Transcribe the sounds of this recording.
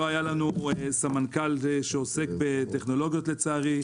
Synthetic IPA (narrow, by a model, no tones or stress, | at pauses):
oajalanusamankalʃeose̞k̚bet̪eχno̞lo̞ɡijo̞t̪le̞t͡saːʁi